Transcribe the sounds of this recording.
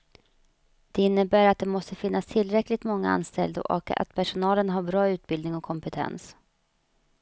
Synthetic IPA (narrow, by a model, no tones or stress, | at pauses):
d̪̥ɛɪnːəbæːɾat̪̚d̪ɛmɔst̪əfɪnːast̪ʰɪlɾɛklɪt̪mɔŋːaa̰nst̪ɛ̰ld̪ə̰ʔɔ̰ka̰t̪pʰæʂʊnɑːlənɦaɾbɾɑːʉ̟ːt̪̚bɪld̪nɪŋɔkʰɔmpɛt̪ʰɛ̰ns